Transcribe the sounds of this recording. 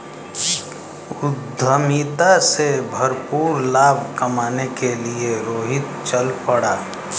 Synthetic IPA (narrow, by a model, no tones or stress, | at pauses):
ʊd̪ʱəmit̪asebʱəɾpuːɾlaːbʱkəmaːnekelieɾoːɦɪt̪̚t͡ʃəlpəɽaː